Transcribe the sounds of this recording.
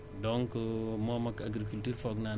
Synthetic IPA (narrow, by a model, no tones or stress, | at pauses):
doŋkəmɔmakaɡɾikultuːɾfɔkna